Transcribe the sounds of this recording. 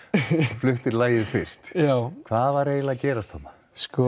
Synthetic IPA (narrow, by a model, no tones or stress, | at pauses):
flʏht̪ɪɾlaːjɪðfɪr̥st̪jawkʰv̥aːðvaɾeːjlacɛːɾast̪hanːa | skɔ